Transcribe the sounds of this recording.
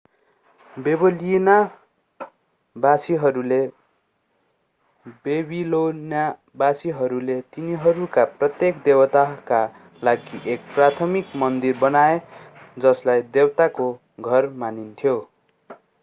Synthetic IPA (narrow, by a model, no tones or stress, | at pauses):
bebʌlina | basiɦʌɾule | bebilonja | basiɦʌɾulet̪iniɦʌɾukaprʌt̪jekd̪ewt̪aka | laɡiʔek̚prat̪ʰʌmikmʌnd̪irbʌnaed͡zʌslajd̪ewt̪ako | ɡʱʌrmanint̪ʰjo